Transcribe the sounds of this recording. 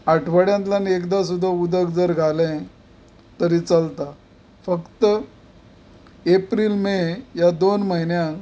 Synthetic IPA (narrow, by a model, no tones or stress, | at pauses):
aʈʰʋəɽjãnt̪lanekd̪as̬ud̪ʱːaud̪əɡd͡zəɾɡʱalẽ | t̪əɾiːt͡səlt̪a | fəkt̪ə | epɾiːlmejad̪onməɦinjã